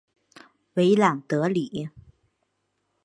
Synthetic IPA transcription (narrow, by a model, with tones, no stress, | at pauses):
ve˨˦jlaː˨˩ŋt̪ɨ˨˦əli˧˩˨